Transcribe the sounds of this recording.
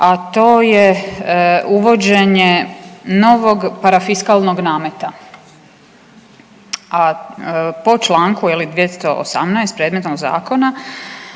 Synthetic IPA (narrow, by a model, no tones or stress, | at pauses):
at̪o̞ːje | uʋo̞d͡ʑe̞ɲeno̞ʋo̞ɡpaɾafiskalˠnoɡnaːmet̪a | a | po̞t͡ʃlˠaːŋkujelid̪jet̪st̪o̞ʔo̰sa̰mnajst̪pɾeːd̪met̪noɡza̰ːko̞na